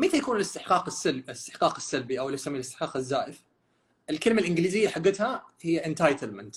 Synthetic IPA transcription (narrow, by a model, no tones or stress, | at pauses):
mɪt̪ajakuːnɪlɪst̪ɪħqɑːqɪsːalɪɪst̪ɪ̥ħqɑːqɪsːalbiʔawlawsamːilɪst̪ɪħqɑːqɪzːaːʔɪf | ʔɪlkɪlmalʔɪnɡliːzɪjːaħaɡːɪt̪hahɪjːaʔɪnt̪ajt̪almant̪